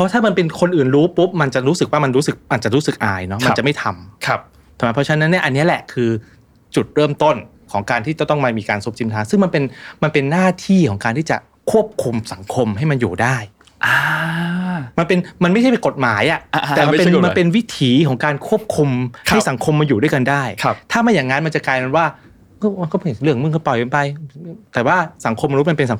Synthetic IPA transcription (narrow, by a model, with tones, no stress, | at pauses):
pʰɔ˦˥t̪ʰaː˥˩ma˧npe˧nkʰo˧nʔɯː˨˩nɾuː˦˥pu˦˥p̚ma˧nt͡ɕa˨˩ɾuː˦˥sɯ˨˩k̚waː˥˩ma˧nɾuː˦˥sɯ˨˩k̚ʔa˨˩t̚t͡ɕa˨˩ɾuː˦˥sɯ˨˩k̚ʔaː˧jnɔ˦˥ma˧˩a˨˩ma˥˩jt̪ʰa˧mkʰp̚ | t̪ʰɛː˨˩ma˧pʰɔ˦t͡ɕʰa˧˦˥na˦˥nːi˥˩ʔa˧nːi˦˥ɐʔlɛ˨˩kʰɯː˧ | t͡ɕu˨˩t̪̚ɾɤː˥˩mt̪o˥˩n | kʰɔː˩˦ŋkaː˧nt̪iː˥˩t͡ɕa˨˩t̪ɔ˥˩maː˧miː˧kaː˧nsu˦˥p̚t͡ɕʰi˧mt̪ʰaː˧˥ŋsɯ˥˩ŋma˧npe˧nma˧npe˧nːaː˥˩t̪ʰiː˥˩kʰɔː˩˦ŋkaː˧nt̪iː˥˩t͡ɕa̰˨˩ | kʰu˥˩əp̚kʰu˧msa˩˦ŋkʰo˧mɦa˥˩jma˧njuː˨˩daː˥˩j | ʔa˧ | ma˧npe˧nma˧na˥˩jʰa˥˩pe˧nko˨˩t̪̚maː˩˦jʔa˨˩ʔɛː˨˩m˧e˧˨ma˧npe˧nwi˦˥t̪ʰiː˩˦kʰɔː˩˦ŋkaː˧nkʰu˥˩əp̚kʰu˧mhʰa˥˩jsa˩˦ŋkʰo˧mːaː˧njuː˨˩du˥˩jka˧ndaː˥˩jkʰa˧˩t̪ʰaː˥˩ma˧jaː˨˩ŋːa˦˥nma˧nt͡ɕa˨˩kaː˧jka˧nwaː˥˩ | ɔ˥˩ma˧nkɔ˥˩plɯ˥˩əŋmɯ˥˩ŋkʰa˥˩pɔ˨˩ja˧npa˧jt̪ɛː˨˩waː˥˩sa˩˦ŋkʰo˧mːa˧nu˦˥t̚ma˧npe˧nsa˩˦